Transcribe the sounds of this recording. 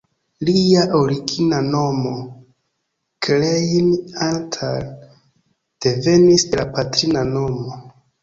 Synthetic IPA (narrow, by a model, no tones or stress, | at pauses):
liaʔo̞ɾiɡinano̞mo̞ | klejnantʰa̰l | d̥e̞ve̞nisdelapatɾinano̞mo̞